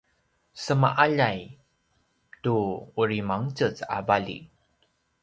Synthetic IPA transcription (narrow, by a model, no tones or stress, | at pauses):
səma̰ʔaʎaj | tuuɾimaŋt͡sət͡sa̰balḭ